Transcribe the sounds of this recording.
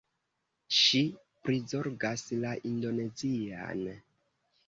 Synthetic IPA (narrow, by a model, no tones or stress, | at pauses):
ʃi | pɾizo̞ɾɡaslaʔindo̞ne̞zia̰n